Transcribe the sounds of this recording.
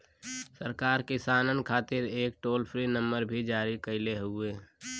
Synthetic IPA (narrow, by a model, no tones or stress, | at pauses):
səɾkaːɾkɪsaːnənkʰaːt̪ɪɾeːk̚ʈoːlpʰɾinə̃mbəɾbʱid͡ʒaːɾikəɪleɦʊeː